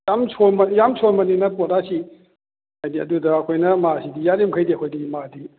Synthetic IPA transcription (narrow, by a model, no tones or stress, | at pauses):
jamsʰomɐjamsʰomɐninɐpot̚asi | ajdiɐ̰dudɐɐkʰojnɐmasidijaɾimkʰɐjdiɐkʰojdimadi